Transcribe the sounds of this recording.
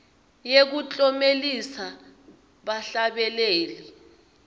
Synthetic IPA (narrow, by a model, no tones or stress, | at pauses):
jek̬ut͡ɬʼɔmelisa | ɓaɬaɓɛleːli